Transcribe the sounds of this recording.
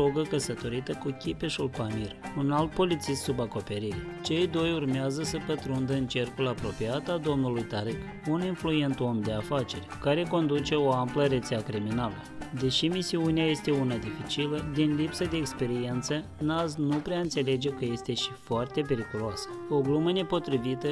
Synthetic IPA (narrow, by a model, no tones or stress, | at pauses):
oɡəkəsət̪o̞ɾit̪əkukʲipeʃulkamirunalt̪̚po̞lit̪sist̪subako̞pe̞ɾiɾet͡ʃe̞jd̪o̞jurmeazəsəpət̪ɾund̪əɨnt͡ʃe̞rkulapɾo̞piat̪ad̪o̞mnulujt̪aɾɨk | uninflue̞nt̪o̞md̪e̞afat͡ʃe̞rʲkaɾe̞ko̞nd̪ut͡ʃe̞o̞ampləɾe̞t̪seakɾiminaləd̪e̞ʃimisiuneaje̞st̪e̞unad̪ifit͡ʃiləd̪inlipsəd̪eːkspe̞ɾie̞nt̪sə | naznupɾeaɨnt̪se̞le̞d͡ʒe̞kəje̞st̪e̞ʃifoart̪e̞pe̞ɾikuloasə̥o̞ɡluməne̞po̞t̪ɾivit̪ə